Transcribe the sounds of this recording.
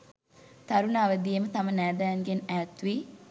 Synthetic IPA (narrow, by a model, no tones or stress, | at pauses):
t̪aɾunaːʋəd̪ijemət̪amənæːd̪æːŋɡenæːt̪ʋi